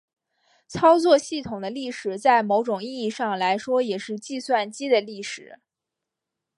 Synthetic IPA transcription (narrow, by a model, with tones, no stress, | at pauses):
t͡sʰɑ˥ʊt͡swɔ˥˧ɕi˥˩t̪ʰʊ˨˩ŋd̪ə˦li˥˩ʂɻ̩˨˩t͡sa˥˩ɪmo˧˥ʊʈ͡ʂʊ˨˩ŋi˥˧i˥˧ʂɑ˥˩ŋla˧˥ɪʂwɔ˥jɛ˨˩ʂɻ̩˥˧t͡ɕi˥˧swa˥˩nt͡ɕi˥d̪ə˨li˥˩ʂɻ̩˨˩˦